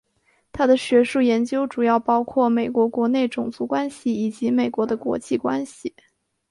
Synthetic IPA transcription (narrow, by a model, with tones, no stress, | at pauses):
t̪ʰa˥d̪ə˨ɕɥɛ˧˥ʂu˥˩jɛ˧˥nt͡ɕjo˥ʊʈ͡ʂu˨˩jɑ˥˩ʊpɑ˥ʊkʰwɔ˥˩me˨˩ɪkwɔ˧˥kwɔ˧˥ne˥˩ɪʈ͡ʂʊ˨˩ŋt͡su˧˥kwa˥nɕi˨˩i˨˩t͡ɕi˧˥me˨˩ɪkwɔ˧˥d̪ə˧kwɔ̰˧˥t͡ɕʰi˥˩kwa˥nɕi˨˩